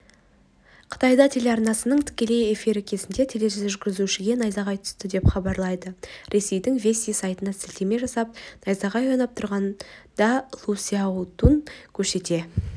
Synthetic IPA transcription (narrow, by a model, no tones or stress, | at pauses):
qʰə̥t̪ɑjd̪ɑt̪ʰe̞lʲeɑɾnɑsənəɴt̪ʰɪ̥kʲe̞le̞je̞fiɾɪkʲʰe̞zɪnd̪e̞t̪ʰe̞le̞ʒʒʏɾɡʲɪzuʃɪɡʲe̞nɑjzɑʁɑjt̪ʰʏ̥st̪ɪd̪e̞pχɑbɑɾlˠɑjd̪əɾʔe̞se̞jd̪ɪŋvʲe̞sʲijsɑjt̪ənɑsɪlt̪eme̞ʒɑsɑp̚nɑjzɑʁɑjonɑp̚t̪ʰʊɾʁɑnd̪̥ɑlˠusiaut̪uŋkʲʰɵɾse̞t̪e̞